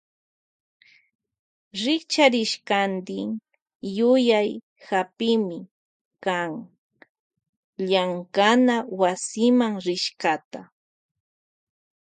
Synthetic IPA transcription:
ɾɪkt͡ʃaɾɪʃkand̪ɪŋ | jʊjaj | hapɪmɪ | kaŋ | ʎaŋkanawasɪmaŋɾɪʃkat̪a

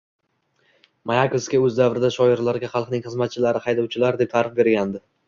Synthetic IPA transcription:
majakoskʲaɵzd̪avɾɪd̪aʃɒɪɾlaɾɡʲaχɑlˠqnɪŋχɨzmat̪̚t͡ʃʰɪlaɾɪχɑjd̪awt͡ʃʰɪlaɾd̪e̞p̚t̪ʰaɾɨχbe̞ɾɡʲand̪ɪ

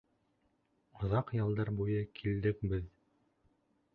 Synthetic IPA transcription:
ŏðɑqjɑ̆lˠd̪ɑɾbujɤkʰild̪ɘk̚bɘð

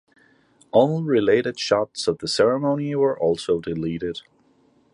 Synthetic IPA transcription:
ʔõʊ̃nlɹɪleɪɾɨd̥ʃɑtsʌvðəsɛɹəmõʊ̃niwə˞ʔɔlˠsoʊdɨliɾɪd̥

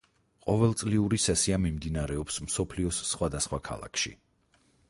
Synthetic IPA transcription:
qʼɔvɛlˠt̪sʼliuɾisɛsiamimd̪inaɾɛɔpsmsɔpʰliɔsːχwad̪asχwakʰa̰lˠa̰kʰʃḭ

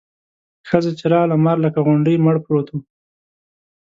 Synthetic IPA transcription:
xəzet͡ʃɪɾɑlamaɾləkaɣʊɳɖəjməɽpɾot̪ʰo

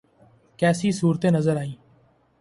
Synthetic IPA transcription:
kɛːsiːsuːɾt̪ẽːnəzəɾaːĩː

